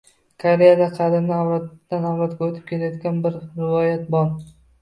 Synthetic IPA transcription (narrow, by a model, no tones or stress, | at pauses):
kʰaɾejad̪aqʰɑd̪ɪmnɪawɾat̪ːanawɾɒt̪̚ɡʲaɵt̪ʰɪ̥p̚kʲʰe̞lajɒd̪ɡʲanbɪɾɾɪvɒjat̪̚bɒlˠ